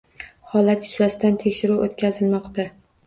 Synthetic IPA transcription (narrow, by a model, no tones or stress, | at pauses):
hɒlat̪jʊzasɪd̪ant̪ʰekʲʃɪɾuʔot̪kʲʰazɪlmɒqt̪a